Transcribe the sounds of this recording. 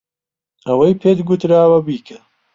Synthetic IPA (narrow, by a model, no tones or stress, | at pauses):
ɐwɐjpʰeːt̪ɡut̪ɾaːwɐbiːkɐ